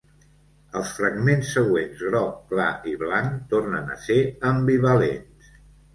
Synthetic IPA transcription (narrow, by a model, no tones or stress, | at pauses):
əlˠsfɾəɡmensːəɣwenzɣɾɔk̚ːla̰ʔiβlaŋt̪ornə̰nə̰seəmbiβəlḛns